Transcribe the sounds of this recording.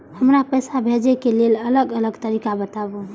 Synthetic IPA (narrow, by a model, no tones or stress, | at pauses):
həmɾapəjsabʱed͡ʒekelelələɡələɡt̪əɾikabət̪abu